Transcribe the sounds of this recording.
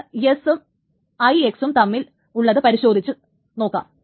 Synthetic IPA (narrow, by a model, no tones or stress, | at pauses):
esɨm | ɐjeksumt̪ɐmːil | uɭːɐðɨpɐɾiɕo̞ːd̪ʱit͡ɕːɨ | no̞ːkːa̰ːm